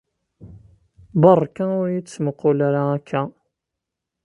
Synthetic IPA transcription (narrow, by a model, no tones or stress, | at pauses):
bɑrˤːkaʊɾjit͡sːməqːolaɾaːkʰːæ